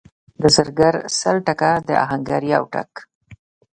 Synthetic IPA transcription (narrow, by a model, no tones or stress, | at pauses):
d̪əzəɾɡaɾsəlʈakad̪əa̰ɦaŋɡaɾjawʈa̰k